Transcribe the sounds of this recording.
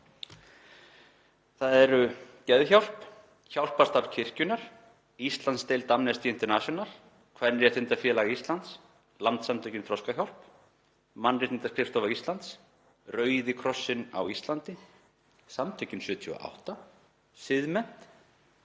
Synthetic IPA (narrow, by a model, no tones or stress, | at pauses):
θaðɛɾʏ | cɛðçawl̥p | çawl̥pḁst̪aɾcʰɪr̥cʏnaɾ̥ | ist̪lant̪st̪ejlt̪amnɛst̪ɪɪnt̪ɛɾnasjɔnal | kʰvanɾjɛθɪnt̪afjɛːlaɣist̪lant̪s | lant̪samt̪ʰœcɪnfʰɾɔskaçawl̥p | manːrɪt̪ɪnt̪askʰɾɪft̪ɔvaɾist̪lant̪s | rœːɥðɪkʰɾɔsːɪna̰wist̪lant̪ɪ | samt̪ʰœɥcɪnsjʏːt̪ʰya̰ʔa̰wht̪a | sɪðmɛn̥t̪